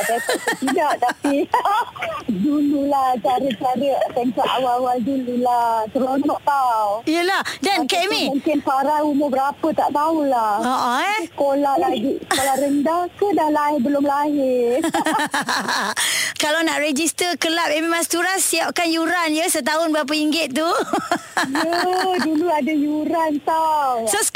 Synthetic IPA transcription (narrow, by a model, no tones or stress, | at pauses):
apasat̪t̪idaʔt̪api | dululaht͡ʃaɾət͡ʃaɾəat̪ənkaʔa̰wawaldululat̪əɾonɔʔt̪awijəlahdankɛmĩmuŋkɪnpaɾaumʊbəɾapət̪aʔt̪aulaoʔoɛsəkolahlaɡisəkolahɾəndahkədahlaɦɪbəlʊmlaɦɪ | kalawnaʔrɛd͡ʒist̪əkəlap̚emimast̪uɾasːiap̚kanjuɾanjəsət̪̬aʊnbəɾap̬əiŋɡɪt̪̚t̪ːu | əduluadajuɾant̪awsos